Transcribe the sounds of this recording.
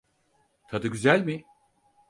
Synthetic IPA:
t̪ʰad̪ɯɟyzælʲmɪ

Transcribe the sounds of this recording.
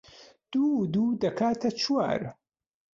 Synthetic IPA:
d̪̥ud̪uːd̪ɐkʰaːt̪ʰɐt͡ʃʰwa̰ːɾ

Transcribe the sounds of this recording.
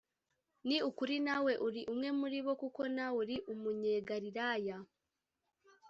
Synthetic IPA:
niukuɾinawe̞ʔuɾiʔumŋe̞muɾiβo̞kukonawuɾiʔumuɲeːɡaɾiɾaːja

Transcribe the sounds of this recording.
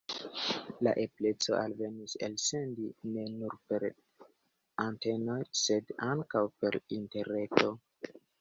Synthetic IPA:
la̰ʔe̞ple̞t͡so̞̰a̰lve̞nisḛlse̞ndine̞nuɾpe̞ɾ | ante̞no̞jse̞daŋkawpe̞ɾinte̞ɾe̞to̞

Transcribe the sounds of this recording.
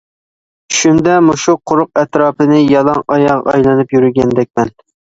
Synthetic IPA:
ʃund̪ɛmoʃuqʰʊɾʊq̚ɛt̪ɾɑːpɨnɨjɑlˠɑŋʔɑjɑʁɑ̰jlˠɨnɨpjyɾɪɡʲɛnd̪ɛk̚ʲmɛn

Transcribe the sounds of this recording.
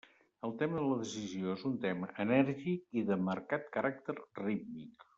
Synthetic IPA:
əlˠt̪ɛməðələðəsizioezunt̪ɛmə̰ʔənɛɾʒikiðəməɾkat̪̚kəɾak̚t̪ərrit̪̚mḭk

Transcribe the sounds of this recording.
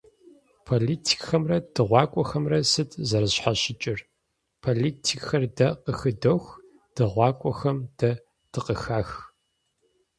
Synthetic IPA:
pʰoːliːtʰi̥kxɐmrɐd̥ɨʁʷɑːkʷʼɔxɐmrɐsɨtʰʼzɐɾɨɕħaɕɪt͡ʃʼɪr | pʰoliːtʰikxɐrdɐqəxɨdoxʷ | d̥ɨʁʷɑːkʷʼɔxɐmd̥ɐ | d̥ɨqəxaːx

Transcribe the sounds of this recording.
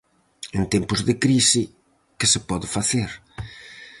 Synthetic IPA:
ẽnt̪empʊzðɪkɾisɪ | kɪsɪpɔðɪfaθeɾ

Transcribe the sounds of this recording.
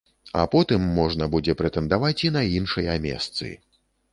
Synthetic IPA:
a̰pɔt̪ɨmːɔʐnɐbud͡zʲɛpɾɛt̪ɛnd̪avat͡sʲinɐinʂɐjɐmʲɛ̰st̪sɨ̰

